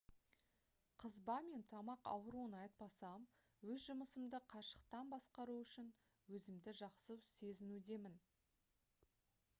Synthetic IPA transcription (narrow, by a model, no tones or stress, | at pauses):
qʰəzbɑme̞nt̪ʰɑmɑqɑ̰wɾuənɑjt̪̚pɑsɑm | wɵzʒʊməsəmd̪əqʰɑʃə̥q̚t̪ɑnbɑsqɑɾuʏʃɪn | wɵzɪmd̪ɪʒɑqsəwse̞zɪnud̪e̞mɪn